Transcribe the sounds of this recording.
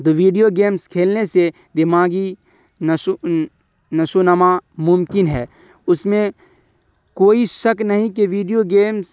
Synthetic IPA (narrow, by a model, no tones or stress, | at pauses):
d̪oʋiːɖijoɡeːmskʰeːlnese | d̪ɪmaːɡi | n | nɐʃonɐmamʊmkɪnɦɛ̰ː | ʊsmẽ | koːiʃɐknɐɦĩk̬eʋiːɖijoɡeːms